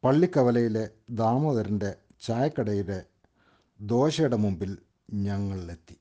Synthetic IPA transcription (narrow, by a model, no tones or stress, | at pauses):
pɐɭːikːɐʋɐlɐjile̞d̪aːmoðɐɾinde̞ | t͡ɕaːjɐkːɐɽɐjiɽe | d̪o̞ːɕɐɽɐmumbil | ɲɐŋːɐɭet̪ːi̥